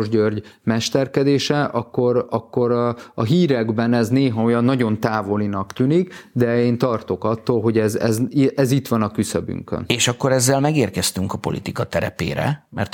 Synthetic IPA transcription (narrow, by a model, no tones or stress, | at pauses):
ʒɟørɟmɛʃt̪ɛrkɛd̪eːʃɛʔɒkːo̞ɾɒkːo̞ɾɒɦiːɾɛɡbɛnɛzneːɦɒo̞jɒnːɒɟo̞nt̪aːvo̞linɒkt̪ynikd̪ɛeːnt̪ɒrt̪o̞kɒt̪ːoːlɦo̞ɟɛzɛ̰zʔɛzit̪ʋɒnɒkysøby̰ŋkø̰neːʃɒkːo̞ɾɛzːɛlmɛɡeːrkɛst̪yŋkɒpo̞̰lʔḭt̪ikɒt̪ɛɾɛ̰pḛːɾɛ̰mɛ̰rt̪